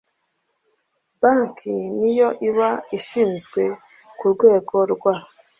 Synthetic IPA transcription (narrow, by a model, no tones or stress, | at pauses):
baŋkʰinijo̞ʔiβaiʃiːnzɡwe̞ | kuɾɡweːɡoɾɡwa